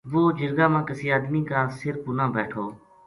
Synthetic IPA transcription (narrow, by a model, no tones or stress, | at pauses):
ʋoːd͡ʒɪɾɡaːmãːkəsiːaːd̪miːkaːsɪɾpʊnãːbɛːʈʰoː